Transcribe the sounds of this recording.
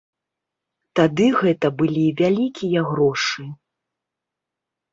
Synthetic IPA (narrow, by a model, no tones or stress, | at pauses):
t̪ad̪ɨɣɛt̪ɐbɨlʲivʲalʲikʲijɐɣɾɔʂɨ